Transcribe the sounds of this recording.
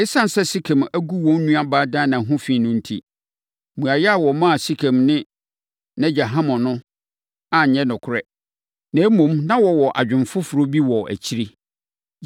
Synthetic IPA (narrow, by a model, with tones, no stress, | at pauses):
ɪ˦sã˦n˨sɛ˦si˦kʰɛ̃˨mæ˦ɡu˦wɔ̃˦nː˦ũ˦a˦baː˦dãː˦nã˨ɦʊ̃˦fĩ˦˨nʊ̃˦n̩˦tʰḭ˦ | mũ˨a˨jɛ˦a˨wɔ˨mã˦a˨si˦kʰɛ̃˨mnɪ̃˦ | nã˦d͡ʑa˨ɦã˦mɔ̃˨nʊ̃˦ | ã˨ɲ˨ɲɛ̃˦nʊ̃˨kʰʊ˨ɾɛ˦ | nã˨˦mũ˨mnã˦wɔ˨wɔ˨ʔa̰˨d͡ʑᶣɪ̃˨nfʊ˦fʊ˨ɾo˦bi˦wɔ˨ʔæ̰˨t͡ɕʰi˦ɾi˦